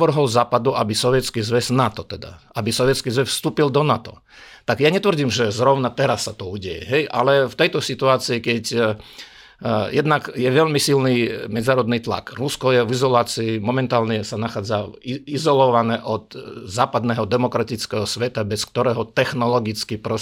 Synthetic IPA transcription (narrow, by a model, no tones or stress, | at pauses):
ʋr̩ɦɔlzaːpad̪uabisɔʋjɛt͡skizʋɛznat̪ɔt̪ɛd̪a̰abisɔʋjɛt͡skizʋɛsfst̪uːpild̪ɔnat̪ɔ̰ | t̪aɡjaɲɛt̪ʋr̩ɟiːmʒɛzɾɔʊnat̪ɛɾasːat̪ɔuːɟɛjɛ̰ɦɛjʔa̰lɛft̪ɛjt̪ɔsit̪uaːt͡siikɛc | jɛd̪nakjɛʋɛʎmisilnimɛd͡znaːɾɔd̪nit̪la̰kɾuskɔjɛʋizɔlaːt͡siːmɔmɛnt̪aːlnɛsanaxaːd͡zaizɔlɔʋanɛːʔɔt̪zaːpad̪nɛɦɔd̪ɛmɔkɾat̪it͡skɛɦɔsʋɛt̪abɛskt̪ɔɾɛːɦɔt̪ɛxnɔlɔɡit͡skipɾɔ